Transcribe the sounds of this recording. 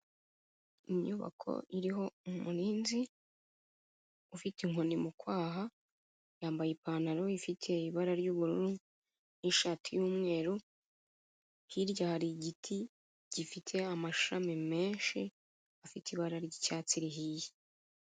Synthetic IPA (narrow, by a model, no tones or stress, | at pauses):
iɲuβa̰kʰo̞̰iɾiɦo̞umuɾiːnzi | ufitiŋo̞nimukwaːɦa | jaːmbajipaːnaɾo̞ifitʰe̞iβaɾaɾɟuːβuɾuɾu | niʃatʰijuːmŋe̞ːɾu | hiɾɟahaɾiɟitʰi | ɟ̥ifitʰe̞amaʃamime̞ːnʃi | afitiβaɾaɾɟicaːt͡siɾiɦije